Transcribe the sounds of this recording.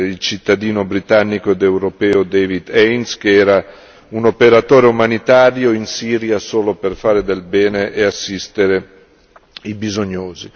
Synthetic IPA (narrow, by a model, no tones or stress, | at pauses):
ilt͡ʃit̪ːad̪iːnobɾit̪anːikoed̪ewɾopɛːod̪evid̪ɛjnskeɛːɾa | unopeɾat̪oːɾeumanit̪aːɾjoinsiːɾjasoːloperfaːɾed̪elbɛːneʔeasːist̪eɾe | ibizoɲːoːzi